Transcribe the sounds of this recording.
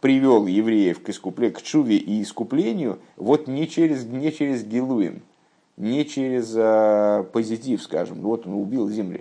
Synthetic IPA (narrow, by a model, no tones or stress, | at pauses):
pɾʲɪvʲo̞lˠjɪvɾʲejəfkɪskʊplʲekt͡ʂuvʲɪʔɪːskʊplʲenʲɪjʊ | vot̪nʲɪt͡ɕeɾʲɪznʲɪt͡ɕeɾʲɪzɡʲɪlˠuɪ̰m | nʲɪt͡ɕeɾʲɪzəpəzʲɪtʲifska̰ʐɨ̰mvo̞t̪onʊbʲilˠzʲɪmlʲɪ̰